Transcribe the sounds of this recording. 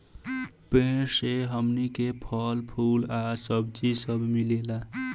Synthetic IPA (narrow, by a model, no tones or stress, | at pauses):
peseɦəmnikepʰəlpʰulasəb̚d͡ʒisəbmilela